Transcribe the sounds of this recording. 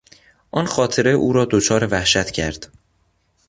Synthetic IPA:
ʔɒːnxɒːt̪ʰe̞ɾe̞ʔuːɾɒːd̪ot͡ʃʰɒːɾe̞væhʃæt̪ʰcʰæɾd̪̥

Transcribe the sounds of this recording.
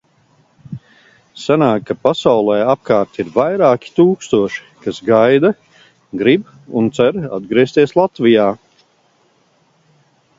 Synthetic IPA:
sanaːkkapasawlˠɛjap̚kaːɾt̪iɾvajɾaːkʲi̥t̪uːkst̪uɔʃi̥kasɡajd̪a | ɡɾib | unt̪sɛɾa̰d̪ɡɾiɛst̪iɛslˠat̪vijaː

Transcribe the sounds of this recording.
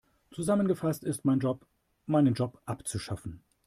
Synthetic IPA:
t͡suzamənɡəfastɪstmaɪnɔ | maɪnənd͡ʒɔpʔapt͡suʃafn̩

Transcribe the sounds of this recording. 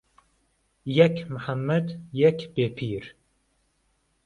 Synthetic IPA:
jɛkʰməħamːɐd̪jɛkʰbeːpʰiːɾ

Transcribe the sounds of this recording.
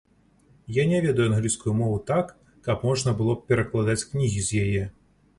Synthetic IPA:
janʲɛvʲɛd̪ɐjuanɣlʲiskujumɔvut̪akː | ɐpmɔʐnɐbɨlˠɔpʲɛɾɐklˠad̪at͡sʲknʲiɣʲizʲjajɛ

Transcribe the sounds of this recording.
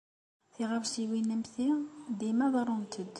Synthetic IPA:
θiʁafʃiwinæmθid̪imæðˤɑɾˤunt̪ʰəd̪

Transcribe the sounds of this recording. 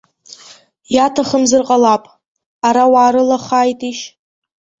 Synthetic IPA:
jatʰaχəmzɨrqʼalapʼ | aɾawaːɾɨlaχaːjtʼiʃ

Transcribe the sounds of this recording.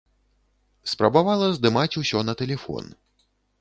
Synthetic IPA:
spɾɐbavalˠɐzd̪ɨmat͡sʲusʲɔnɐt̪ɛlʲɛfɔ̰n

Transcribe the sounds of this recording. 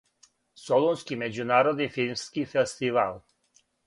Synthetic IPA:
solonskʲimed͡ʒunaɾod̪ifilmskʲifest̪ival

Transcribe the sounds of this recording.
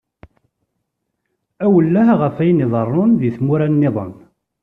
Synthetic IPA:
æwəlːæɦʁəfæjniðˤərˤːʊnðiθmuɾænːɪðˤə̰n

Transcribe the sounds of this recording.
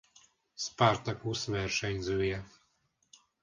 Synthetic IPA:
spart̪ɒkusʋɛrʃɛɲzøːjɛ

